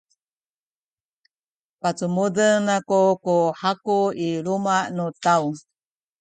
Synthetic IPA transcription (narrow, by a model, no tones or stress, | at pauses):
pat͡sumudəŋnakukuħakuilumaʔnutau